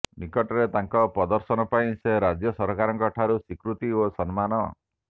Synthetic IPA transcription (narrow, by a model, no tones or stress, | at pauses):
nikɔʈɔɾet̪aŋkɔpɾɔd̪ɔɾsɔnɔpaĩseɾad͡ʒjɔsɔɾkaɾɔŋkɔʈʰaɾusikɾut̪iosɔnmanɔ